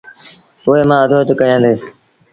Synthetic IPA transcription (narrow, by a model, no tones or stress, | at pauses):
ʊɦeːmãːəd̪ʱoːt̪əkəjãːnd̪eː